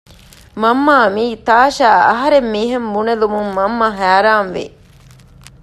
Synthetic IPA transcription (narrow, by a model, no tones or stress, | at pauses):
mɐmːaːmiːt̪aːʃæːɐɦɐɾemːiːɦembunelumumːɐmːɐɦæːɾaːnʋḭ